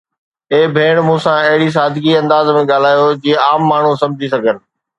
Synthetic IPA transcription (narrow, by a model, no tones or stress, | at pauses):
eːbʱeːɽ̃mũːsãɐɦɪɽis̬aːd̪ʱɡiɐ̃nd̪aːzmẽɠaːl̤aːjod͡ʑiːaːmːaːɳ̤ũsɐ̃md͡ʑʱisɐɡʱənɪ̆